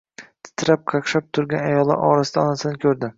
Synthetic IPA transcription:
t̪ʰɪ̥t̪ʰɾap̚qʰɑqʃap̚t̪ʰʊɾɡʲanajɒlˠːa̰ɾʔɒɾasɪd̪aɒnasɪnɪkʲʰɵɾd̪ɪ

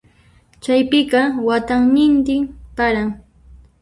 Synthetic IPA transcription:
t͡ʃajpɪɢɑwat̪aŋnɪnt̪ɪmpaɾaŋ

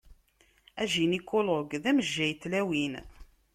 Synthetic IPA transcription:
æʒinikːʊlʊɡðæməʒːæjt̪ːlæwin

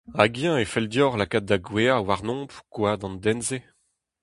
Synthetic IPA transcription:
aɡjɛ̃efɛld̪jɔʁlakat̪̚d̪aɡweawaʁnɔ̃ːpkwad̪ɑ̃nd̪ɛnze

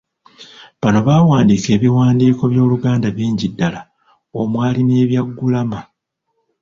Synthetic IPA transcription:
βano̞βaːwaːndiːke̞ːβiwaːndiːko̞βjo̞ːluɡaːndaβiːɲɟidːala | omwaːline̞ːβjaɡːulama

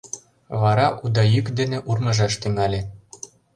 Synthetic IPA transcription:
βɑɾɑʔud̪ɑjykd̪eneʔurmɤ̆ʒɑʃt̪yŋælʲĕ

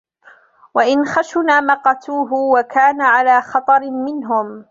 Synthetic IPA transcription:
waʔɪnxaʃʊnaːmɑqɑt̪uːɦʊwakaːnaʕalaːxɑt̪ˤɑɾmɪnɦʊm

